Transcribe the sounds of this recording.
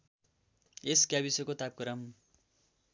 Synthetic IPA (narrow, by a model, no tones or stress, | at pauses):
eskjabisʌkot̪ap̚kʌɾʌm